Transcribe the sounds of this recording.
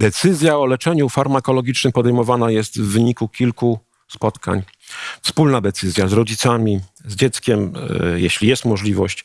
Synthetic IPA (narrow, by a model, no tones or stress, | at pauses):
d̪ɛt̪sɘzʲjaɔlɛt͡ʂɛɲufaɾmakɔlɔɡʲit͡ʂnɘmpɔd̪ɛjmɔvanajɛst̪vːɘɲikukʲilku | spɔt̪kʰa̰ɲ | fspulnad̪ɛt̪sɘzʲjazɾɔd͡ʑit̪samʲizd͡ʑɛt̪skʲɛmjɛɕlʲijɛst̪mɔʐlʲivɔɕt͡ɕ